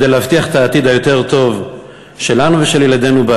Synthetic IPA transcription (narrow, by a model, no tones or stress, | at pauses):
d̪ejleavt̪iaχet̪aːt̪id̪ajo̞t̪e̞ʁt̪o̞v | ʃe̞lanuveʃe̞ljelad̪e̞nuba